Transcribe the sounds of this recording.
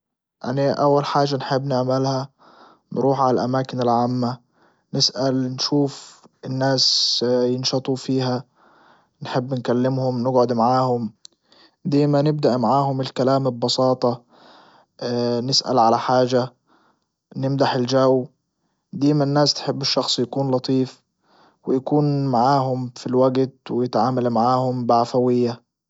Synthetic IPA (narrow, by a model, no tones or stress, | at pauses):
ʔa̰naʔawːalħaːd͡ʒʒːanħɪbːnɪʕmalha | nɾuːħʕalalʔa̰maːkɪnɪlʕaːmːa | nɪsʔalnʃuːfɪnːaːsjɪnʃɑt̪ˤufiːɦa | nħɪbːnkalːɪmhʊmnɪɡʕʊd̪maʕaːhʊm | d̪eːmanɪb̚d̪aʔmaʕaːhʊmɪlkalaːmɪbːɑsˤɑːt̪ˤɑ | nɪsʔa̰lʕalaħaːʒa | nɪmd̪aħɪld͡ʒaw | d̪eːmanːaːst̪ħɪbːɪʃːɑxsˤjakuːnlɑt̪ˤiːf | wɪjakuːnmaʕaːɦʊmfilwaɡt̪wɪjɪt̪ʕaːmalmaʕaːhʊmbɪʕafawɪjːa